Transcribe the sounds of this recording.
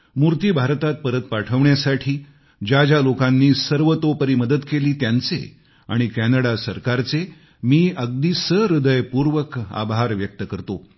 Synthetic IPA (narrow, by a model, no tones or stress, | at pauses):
muɾt̪iːbʱaɾt̪at̪̚pəɾət̪̚paʈʰəʋɳjasaʈʰiː | d͡ʑad͡ʑalokanːiːsəɾʋət̪opəɾiːməd̪əd̪keliːt̪jant͡sḛ | a̰ɽ̃ikænəɽasəɾkaɾt͡se | miːʔəɡ̚d̪isəɾud̪əjpuɾʋəka̰bʱaɾʋjək̚t̪əkəɾt̪o